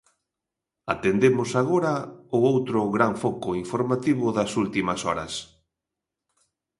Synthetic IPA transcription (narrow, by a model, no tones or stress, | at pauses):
at̪end̪emʊsaɣ̞oɾɐʊowt̪ɾʊɣɾaɱfɔkʊiɱfoɾmat̪iβʊðɐsult̪imɐsɔɾɐ̰s